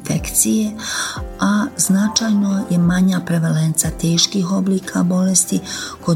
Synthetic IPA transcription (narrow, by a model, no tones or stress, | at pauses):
fekt̪sije | aznat͡ʃajnojemaɲaːpɾeʋelent̪sat̪eːʃkiːxo̞bliːkʰabo̞lest̪iko